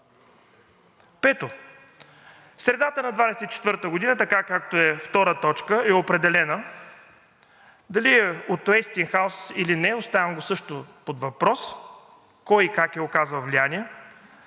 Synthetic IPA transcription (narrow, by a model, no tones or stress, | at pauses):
pɛt̪o | sɾɛd̪at̪ənɐd̪vad̪ɛsɛt̪it͡ʃɛt̪vɤɾt̪əɡʊd̪inət̪ɐkakakt̪oɛft̪ɔɾət̪ɔt͡ʃkəɛopɾɛd̪ɛlɛnə | d̪ɐliɛot̪oɛst̪inxaʊsilinɛost̪avɐmɡosɤʃt̪opod̪vɐpɾɔs | kɔjikakɛokazəlˠvlʲianʲiɛ